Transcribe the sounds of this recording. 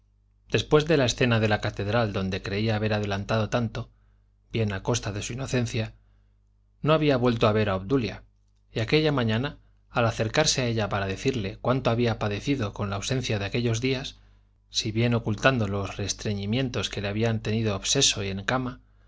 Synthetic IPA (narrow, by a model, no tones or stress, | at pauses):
d̪̥e̞spwe̞zðe̞laesθe̞naðe̞lakat̪e̞ðɾald̪o̞nd̪e̞kɾe̞iaːβe̞ɾaðe̞lant̪aðo̞t̪ant̪o̞ | bje̞nako̞st̪aðe̞suino̞θe̞n̟θja | no̞aβiaβwe̞lt̪oaβe̞ɾaoβd̪ulja̰ | iake̞ʎamaɲãnaː | laθe̞ɾkaɾseae̞ʎapaɾaðe̞θiɾle̞kwant̪oaβiapaðe̞θiðo̞ko̞nlaːwse̞n̟θjaðeake̞ʎo̞zðiasː | iβje̞no̞kult̪and̪o̞lo̞sre̞st̪ɾe̞ɲimje̞nt̪o̞ske̞le̞aβiant̪e̞niðoːβse̞so̞ie̞ŋkama